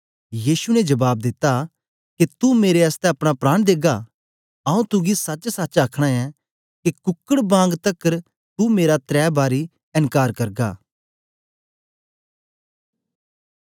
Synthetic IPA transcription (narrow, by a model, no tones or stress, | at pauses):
jiːsunɛd͡ʒɐbaːb̚d̪ɪt̪ːa | ket̪umeːɾeɐst̪ɛ̃ɐpɽ̃apɾaːɽ̃d̪eːɡa | ɐũt̪ʊɡisɐt͡ʃsɐt͡ʃaːkʰɽ̃aɛ | kekʊkːəɽbãːŋɡt̪ɐkəɾ | t̪umeːɾat̪ɾɛːbaːɾi | ɐ̃nkaːɾkɐɾɡa̰ː